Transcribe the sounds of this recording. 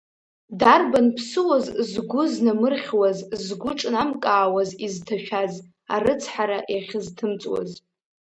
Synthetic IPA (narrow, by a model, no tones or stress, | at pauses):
darbanpʰsɨwazzɡʷʊznamɨrχʲwazzɡʷʊʈ͡ʂʼnamkʼaːwaziztʰaʃᶣaz | a̰rɨt͡sʰħaɾaʔjaχʲɪztʰɨmt͡sʼwa̰z